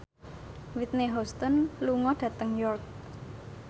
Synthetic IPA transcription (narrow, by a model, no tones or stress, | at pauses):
wit̪̚neɦɔst̪ɔnluŋɔɖ̥ä̤t̪əŋjɔrk̚